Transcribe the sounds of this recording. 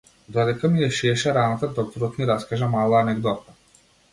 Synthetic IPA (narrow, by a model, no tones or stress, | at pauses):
d̪ɔd̪ɛkamijɛʃiɛʃɛɾanat̪ad̪ɔk̚t̪ɔɾɔt̪miɾaskaʒamalˠaːnɛɡd̪ɔt̪a